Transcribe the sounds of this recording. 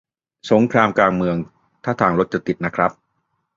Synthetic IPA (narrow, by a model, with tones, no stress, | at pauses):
so˩˦ŋkʰɾaː˧mkaː˧ŋmɯ˧əŋ | t̪ʰaː˥˩t̪ʰaː˧˩ŋɾo˦˥t̪̚t͡ɕa˨˩t̪i˨˩t̪̚na˦˥kʰɾa˦˥p̚